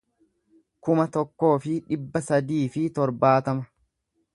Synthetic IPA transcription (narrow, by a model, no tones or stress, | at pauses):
kʊmɐt̪ɔkːo̞ːfɪᶑɪbːɐsɐd̪iːfɪt̪ɔɾbaːt̪ɐmɐ